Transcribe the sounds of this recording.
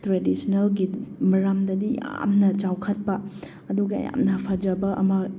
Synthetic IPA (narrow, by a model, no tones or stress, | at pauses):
tɾedisnelɡimɐɾamdɐdija̰mnɐt͡ʃawkʰɐt̚pɐ | ɐduɡɐɐ̰ja̰mnɐpʰɐd͡ʒɐbɐʔɐmɐ